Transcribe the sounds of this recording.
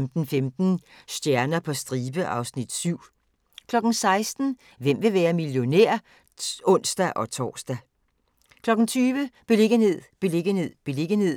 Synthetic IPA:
md̥n̩femd̥n̩sd̥jæɐnɐpʰɒ̽sd̥ʁiːb̥əʔɑ̈ʊsnid̥syʊ̰ | kʰlɒ̽ɡ̥n̩sɑ̈ɪsd̥n̩ | ʋem̰ʋe̝ʋæːɐmiljo̝nḛɐ̰ | ɔ̽n̰sd̥æʔɒ̽t͡sʰɒ̰ːsd̥æ | kʰlɒ̽ɡ̥n̩t͡sʰyːʋəb̥e̝le̝ɡ̥ənhe̝ð̰ˠb̥e̝leɡ̥əne̝ð̰ˠb̥e̝le̝ɡ̥əne̝ð̰ˠ

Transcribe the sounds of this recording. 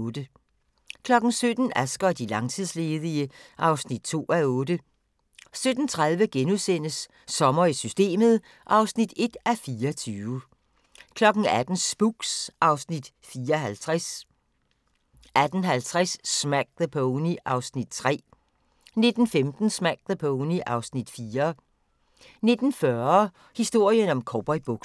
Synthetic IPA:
d̥ə | kʰlɒ̽ɡ̥n̩sød̥n̩æsɡ̥ɐd̥ilɑ̈ŋt͡sʰið̰ˠsle̝ːðˠiəʔɑ̈ʊsnid̥̚t͡sʰo̝̰ːæɔ̽ːd̥ə | sød̥n̩t͡sʰʁað̞ˠʋəɡ̥enuðˠsen̰əsː | ɒ̽mɐisysd̥e̝̰ːməð̩ˠ | ʔɑ̈ʊsnid̥e̝d̥æfiːɐɒt͡sʰyːʊə | kʰlɒ̽ɡ̥n̩æd̥n̩sb̥uɡ̥sʔɑ̈ʊsnid̥ | fiːɐɦælt͡sʰʁas | ʔæd̥n̩ɦælt͡sʰʁɛsːmæɡ̥̚ðəpʰoniʔɑ̈ʊsnid̥̚t͡sʰʁɛ̰ː | ne̝d̥n̩femd̥n̩smæɡ̥̚ðəpʰoniʔɑ̈ʊsnid̥fiːɐ | ne̝d̥n̩fɶɐ | hisd̥o̝ɐ̰jənɒ̽mkʰɒb̥ɒɪb̥ɔɡ̥

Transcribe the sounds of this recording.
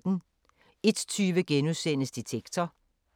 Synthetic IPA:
d̥n̩ | e̝d̥t͡sʰyːʋəɡ̥enuðˠsen̰əsd̥it͡sʰeɡ̥t͡sʰɐ

